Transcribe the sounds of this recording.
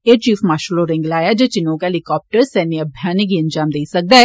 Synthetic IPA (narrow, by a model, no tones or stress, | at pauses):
eːɾt͡ʃiːfmaːʃəloɾɪ̃ŋɡlaːjad͡ʒet͡ʃɪnõkaɦelɪkɔːp̚ʈəɾsɛːniɐbʱjaːnekiɐ̃nd͡ʒaːmd̪eːsɐk̚d̪aɦɛ